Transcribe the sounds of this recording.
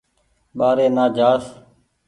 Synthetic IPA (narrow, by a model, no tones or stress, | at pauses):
ɓaːɾeːnaːd͡ʒaːs